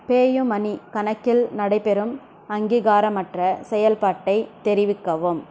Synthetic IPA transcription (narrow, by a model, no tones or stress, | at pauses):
peːjɯmɐnikɐnɐkːɪlnɐɽɐɪpɛɾɯm | ɐŋɡiːɣaːɾɐmɐʈrɐsɛjɐlpaːʈːɐɪt̪ɛɾɪʋɪkːɐʋɯm